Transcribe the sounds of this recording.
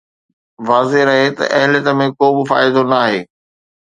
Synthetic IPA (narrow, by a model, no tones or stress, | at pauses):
ʋaːzeɾɐɦet̪ɐ̰ʔɐɦɪljət̪ə̆mẽkoːbɪfa̰ːɪd̪onɐːɦeː